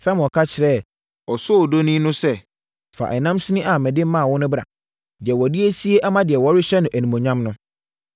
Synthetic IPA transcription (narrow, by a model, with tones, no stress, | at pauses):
sã˦m̃˨ɔ˨kʰa˦t͡ɕʰɪ˨ɾɛ˦˨ | ɔ˨sʊ˦ɔ˨do˦nĩ˦nʊ̃˦sɛ˦ | fa̰˨ʔɛ˨nã˦msi˦nĩ˦ʔa˨mɛ̃˨dɪ̃˦m̩˦mã˦˨wɔ˦nʊ̃˦bɾa̰˨ | dɪ˨ɛ˨wɔ˨di˦e˦si˦e˦ʔa˦mã˦dɪ˨ɛ˨wɔ˦ɾɪ˦ɕɛ˦nʊ̃˨ʔæ˨nĩ˨mõ˨ɲã˦mnʊ̃˦